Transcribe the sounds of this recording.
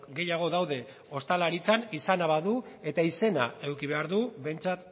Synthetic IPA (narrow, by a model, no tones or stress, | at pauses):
ɡe̞jaɣ̞o̞ðawðe̞ | o̞st̪alaɾit͡sanisanaβaðue̞t̪aise̞nae̞wkiβ̞e̞aɾðuβe̞jnt͡sat̪